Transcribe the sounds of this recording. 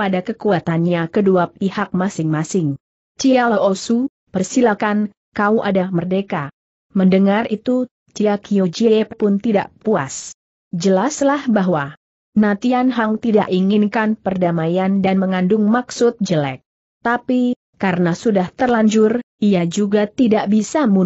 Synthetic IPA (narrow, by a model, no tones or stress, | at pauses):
padakəkuat̪anɲakəduapihak̚masɪŋmasɪŋ | t͡ʃialaʔosu | pərsilakan | kauʔadamərdeka | məndəŋarit̪u | t͡ʃiakiod͡ʒieeppʊnt̪ida̰ʔpua̰s | d͡ʒəlaslahbaɦwa | nat̪ianɦaŋt̪ida̰ʔiŋɪnkanpərdamajandanməŋandʊŋmaksʊt̪̚d͡ʒəlɛ̰k̚ | t̪api | kaɾənasudaht̪ərlaɲd͡ʒʊrʔijad͡ʒuɡat̪idaʔbisamu